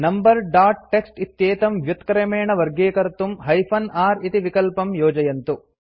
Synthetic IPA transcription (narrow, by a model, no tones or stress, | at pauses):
nɐmbɐɾɖaːʈ̚ʈeksʈit̪jeːt̪ɐmʋjut̪kɐɾɐmeːɳɐʋɐɾɡeːkɐɾt̪umɦɐjpʰɐnaːɾit̪iʋikɐlpɐmjoːd͡ʒɐjɐnt̪u